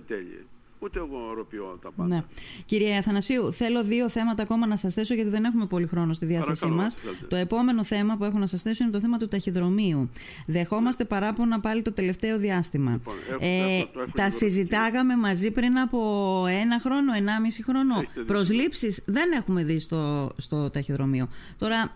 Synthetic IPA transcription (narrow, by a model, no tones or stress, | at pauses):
t̪oɾpiot̪ɐneciɾiɐɐθɐnɐsiuθe̞lo̞ðio̞θe̞mɐt̪ɐːko̞mɐnɐsɐsθe̞so̞ʝɐt̪iðe̞ne̞xume̞po̞lixɾo̞nost̪iðiɐθesimɐst̪o̞e̞po̞me̞no̞θe̞mɐpue̞xonɐsɐsθe̞soinet̪oθemɐt̪ut̪ɐçiðɾo̞miu | ðe̞xo̞mɐst̪e̞pɐɾɐponɐpɐlit̪o̞t̪e̞le̞ft̪e̞o̞ðiɐst̪imɐ̰et̪ɐsizit̪ɐkɐme̞mɐzipɾinɐpo̞e̞nɐxɾo̞no̞e̞nɐmisixɾo̞no̞pɾo̞zlipsizðe̞ne̞xume̞ðist̪ost̪o̞t̪ɐçiðɾo̞mio̞t̪o̞ɾɐ